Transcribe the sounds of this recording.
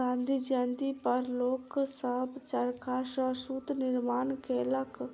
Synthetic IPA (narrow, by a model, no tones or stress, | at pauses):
ãːnd̪id͡ʒãːnd̪ipəɾloːksəɦbt͡ʃaɾkʰaːʃaʃuːt̪nɪɾmaːnkeːlək